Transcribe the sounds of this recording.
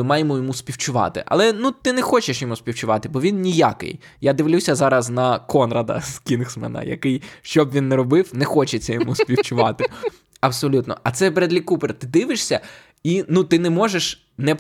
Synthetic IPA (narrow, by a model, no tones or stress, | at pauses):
ɪmɑjemɔjɔmuspʲiwt͡ʃʊʋɑ̰t̪ɪ̰ʔɐ̰lˠɛnut̪ɪnɛxɔt͡ʃeʃjɔmuspʲiwt͡ʃʊʋɑt̪ɪbɔʋʲinnʲija̰kɪ̰jjad̪ɪʋlʲusʲɐzɑɾɐznɐkɔnrɐd̪ɐ̰skʲinxsmɛ̰nɐ̰jɐ̰kɪjʃt͡ʃɔbʋʲinːɛɾɔbɪwnɛxɔt͡ʃet͡sʲːɐjɔmuspʲiwt͡ʃʊʋɑ̰t̪ɪ | ɐbsɔlʲut̪nɔ̰ʔɐt̪sɛpeɾed̪lʲikupeɾt̪ɪd̪ɪʋɪʃsʲɐ | inut̪ɪnɛmɔʒeʃ | nɛ